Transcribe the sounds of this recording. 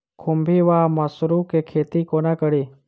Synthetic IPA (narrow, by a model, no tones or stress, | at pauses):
kʰumbʱiːʋaːmɐsɾukekʰeːt̪ikoːnaːkəɽiː